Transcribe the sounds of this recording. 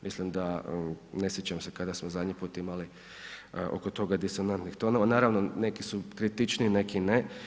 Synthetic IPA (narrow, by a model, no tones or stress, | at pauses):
mislimd̪anesjet͡ɕamsekad̪asmozad̪ɲipuːt̪imali | o̞̰kot̪o̞ɡad̪iso̞nant̪nixt̪o̞noʋanaːɾaʋnone̞kisukɾit̪it͡ʃnine̞kine